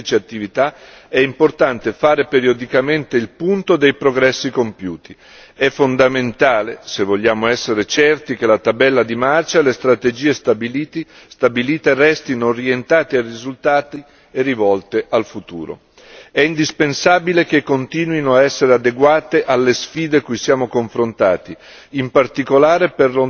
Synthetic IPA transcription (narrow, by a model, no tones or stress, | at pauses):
it͡ʃeat̪ːivit̪a | ɛimport̪ant̪efaːɾepeɾiod̪ikament̪eilpunt̪od̪ejpɾoɡɾɛsːikompjuːt̪i | ɛfːond̪ament̪aːlesevːoʎːaːmoɛsːeɾet͡ʃɛrt̪ik̟elat̪abɛlːad̪imart͡ʃalest̪ɾat̪ed͡ʒiːest̪abi | st̪abiliːt̪erɛst̪inoːrjent̪aːt̪earizult̪aːt̪i | erːivɔlt̪eʔalfut̪ṵːɾo̰ | ɛind̪ispensaːbilek̟ekːont̪iːnwinoaɛsːeɾead̪eɡwaːt̪eʔalːesfiːd̪ekujsjaːmokoɱfɾont̪a̰ːt̪i | impart̪ikolaːɾeperlo